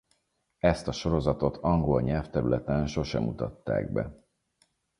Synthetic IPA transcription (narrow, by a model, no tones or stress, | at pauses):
ɛst̪ɒʃo̞ɾo̞zɒt̪o̞t̪ʰɒŋɡo̞lɲɛlft̪ɛɾylɛt̪ɛnʃo̞ʃɛ̰mut̪ɒt̪ːa̰ːɡ̚bɛ̰